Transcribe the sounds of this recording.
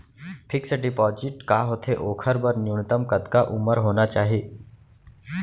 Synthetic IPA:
pʰɪksəɖipɔd͡ʑɪʈkaɦot̪ʰeʔoːkʰəɾbəɾnjiwnət̪əmkəd̪kaʔuməɾɦonat͡ʃaːɦe

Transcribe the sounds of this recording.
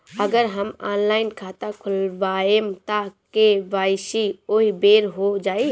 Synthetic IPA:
əɡəɾɦəmaːnlaːɪnkʰaːt̪akʰʊlʋaːemt̪akeʋaːjsioːɦibeːɾɦod͡ʒaːi

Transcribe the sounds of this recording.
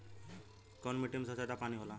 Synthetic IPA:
kɔnmiʈimsəsat̪apañiɦola

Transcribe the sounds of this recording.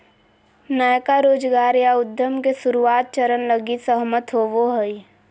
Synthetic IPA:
nəjkaɾoːd͡ʒɡaːɾjaʊd̪ʱjəmkesʊɾuaːt̪̚t͡ʃəɾənləɡisəɦmət̪ɦoːʋoɦəi

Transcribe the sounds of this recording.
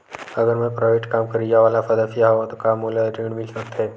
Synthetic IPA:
əɡəɾmə̃pɾɔʋeʈkamkəɾid͡ʒaʋalafəd̪afiaɦʋot̪okamːoleəʈiɳmilsək̚t̪ʰe

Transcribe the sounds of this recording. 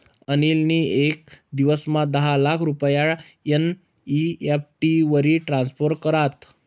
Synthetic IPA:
ənilniek̚d̪iʋəsmad̪əɦalakʰɾupəjaɭ | ən | iep̚ʈiʋəɾiːʈɾanspoɾʈkəɾat̪

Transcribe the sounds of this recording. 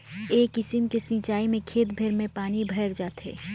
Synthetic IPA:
eːkɪsɪmkesɪ̃ːt͡ʃaːimẽkʰeːt̪bʱeɾmẽpaːnibʱɐɪɾd͡ʒaːt̪ɦḛː

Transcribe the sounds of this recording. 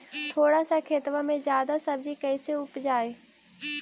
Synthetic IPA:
t̪ʰoːɽasakʰeːt̪ʋãmẽzjaːd̪asɐb̚d͡ʒikɛɪseʊpd͡ʒaːeː

